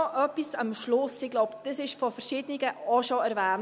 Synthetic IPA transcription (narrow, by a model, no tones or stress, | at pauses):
ɔʔœpisɑmʃlʊsɪɡ̥lɔʊpd̥əsɪʃfɔfɛɾʃɪːdənɪɡəɔʃoɛɾvæːn